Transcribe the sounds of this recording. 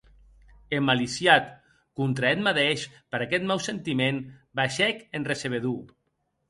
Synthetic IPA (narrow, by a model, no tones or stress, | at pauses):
emalisjat̪ | kunt̪ɾaɛt̪maðeʃpəɾakɛt̪̚mawsent̪imenbaʃɛkenreseβ̞eðu